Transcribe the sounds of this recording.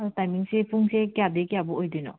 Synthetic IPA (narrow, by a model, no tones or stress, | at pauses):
aɔtajmiŋsepʰuŋsekijadekijabɔojdɔjnɔ̰